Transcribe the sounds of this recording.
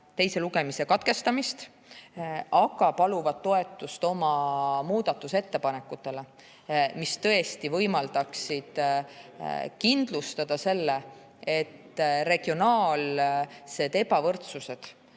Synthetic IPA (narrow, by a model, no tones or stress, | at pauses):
t̪e̞jse̞luɡe̞mise̞kɑt̪ke̞st̪ɑmist̪ | ɑɡ̥ɑpɑluvɑd̪̥̚t̪ːo̞e̞t̪ːˑust̪o̞mɑmuːd̪̥ɑt̪ːˑuse̞t̪ːe̞pɑne̞kːˑut̪ːˑe̞le̞ | mist̪ɤ̞e̞st̪ivɤjmɑld̪̥ɑksid̪̥ | kind̪̥lust̪ɑd̪̥ɑse̞lːe | e̞t̪ːre̞ɡ̥io̞nɑːlse̞d̪e̞bɑvɤrt̪suse̞d̪̥